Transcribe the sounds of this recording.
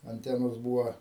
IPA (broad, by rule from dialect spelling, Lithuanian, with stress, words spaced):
ɐnʲˈtʲæːnoːs ˈbuːʋɐ